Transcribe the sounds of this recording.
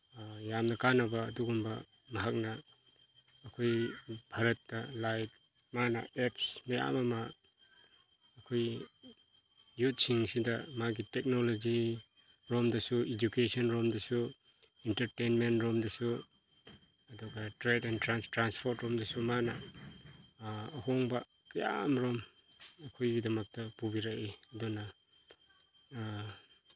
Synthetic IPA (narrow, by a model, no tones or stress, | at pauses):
jamnɐkanɐbɐːduɡumbɐ | mɐɦak̚nɐː | kʰojbʰʱɐɾɐt̚dɐlajt | manɐ̰epsmɐja̰mɐma | kʰoj | jut̚siŋsidɐmaɡitek̚nolod͡ʒi | ɾɔmdɐsued͡ʒukesɔnɾomdɐsu | intɐɾtejnmentɾɔmdɐsu | ɐduɡɐtɾedɛntɾanstɾanspʰɔɾtɾɔmdɐsumana | hɔŋbɐ | kɐja̰mɾɔm | ɐkʰojɡidɐmɐk̚tɐpubiɾaʔiɐdɔna